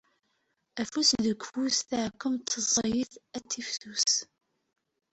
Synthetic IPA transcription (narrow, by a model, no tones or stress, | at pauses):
æfusðəɡʷfusθəʕkːəmt̪ːəzˤjiθæt͡sːifθus